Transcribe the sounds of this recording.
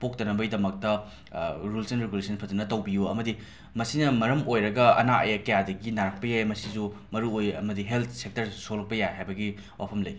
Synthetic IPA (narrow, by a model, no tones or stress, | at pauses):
pok̚tɐnɐbɐidɐmɐk̚tɐ | ɾulsɐnɾeɡulesʰɐnpʰɐtɐnɐtɐwbijuɐ̰mɐdi | mɐsinɐmɐɾɐmojɾɐɡɐɐ̰naʔɐ̰jkɐjadɐɡinaɾɐk̚pɐjajmɐsizumɐɾuojɐ̰mɐdiɦelt̪ʰsek̚tɐɾsolɐk̚pɐjajɦajbɐɡi | wʔa̰pʰɐmlɐj